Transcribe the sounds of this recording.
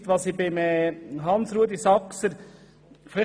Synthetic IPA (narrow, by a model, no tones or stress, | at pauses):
t̪ʋɑsibɪmɛɦɑnsɾuəd̪isɑksəɾ | flɪ